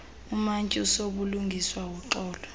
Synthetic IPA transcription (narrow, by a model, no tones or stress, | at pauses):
umant͡ʃʼusok̬uluŋɡʱiswawɔǃɔːlɔ